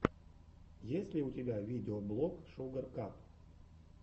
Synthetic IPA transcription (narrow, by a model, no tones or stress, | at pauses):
jesʲlʲiut̪ʲebʲavʲidʲeoblˠokʃoɡərkap